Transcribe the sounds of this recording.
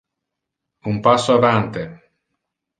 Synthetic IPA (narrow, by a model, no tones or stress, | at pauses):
umpasːoavant̪e